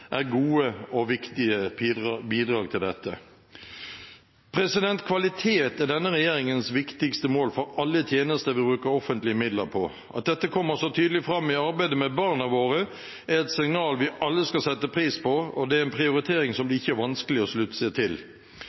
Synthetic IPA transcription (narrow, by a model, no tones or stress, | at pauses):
ʔæɾɡuːəɔʋɪkt̪ɪəbiːd̪ɾɑːɡ̚t̪ʰɪld̪ɛt̪ʰːə̰ | pʰɾɛsɪd̪ɛnt̪kʰʋɑlɪt̪ʰeːt̪æʁɖ̪ɛnːəɾɛjeːɾɪŋənsʋɪkt̪ɪkst̪əmoːlfɔɾɑlːət̪ʰjeːnəst̪əɾʋɪbɾʉːkəɾɔfənt̪lɪəmɪd̪ləpʰɔ | ʔɑ̰t̪̚d̪ɛt̪ːəkʰɔmːəɾsɔt̪ʰyːd̪əlɪfɾɑmːɪɑɾbæɪd̪əmɛbɑʁnɑʋoːɾə | ɛɛt̪sɪŋnɑːlʋɪʔɑlːəskɑsɛt̪ːəpʰɾiːspʰɔɔd̪ɛæɾɛnpʰɾɪʊɾɪt̪ʰeːɾɪŋsɔmd̪ɛɪçːəæɾʋɑnskəlɪɔslʉt̪ːəsət̪ʰɪl